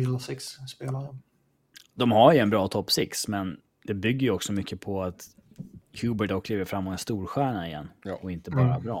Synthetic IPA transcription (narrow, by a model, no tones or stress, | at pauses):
ɾlsɛksspeːlaɾə | d̪̥ɔmhaɾjɵɛnbɾɑːt̪ʰɔpːsɛksmɛn | d̪̥ɛbʏɡːəɾjɵɔksɔmʏkːəpʰɔat̪ | hʰʉːbəʈɔk̪̚ːʰliːvəɾfɾamːɔt̪ɛnst̪uːɾɧæːɳaɪjɛ̰nːɔɪnt̪əbɑːɾabɾɑː